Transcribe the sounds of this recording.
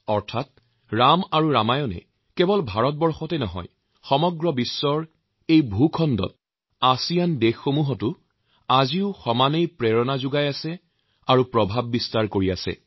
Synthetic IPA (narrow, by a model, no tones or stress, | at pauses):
ɔɹtʰat̚ | ɹamaɹuɹamajɔnɛ̰ | kɛbɔlbʱaɹɔt̚bɔɹxɔtɛnɔɦɔ̰j | xɔmɔɡɹɔbisːɔɹ | ejbʱukʰɔndɔ̰t̚ | asijandexːomuɦɔtʊ | aziʊxɔmanejpɹɛɹɔnazʊɡajasɛ | aɹupɹɔbʱabːistaɹkoɹiasɛ̰